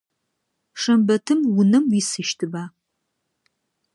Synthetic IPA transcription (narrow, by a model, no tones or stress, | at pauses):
ʂɐmbɐtʰɨmwʊnɐmwisɨʃtʰɨbaː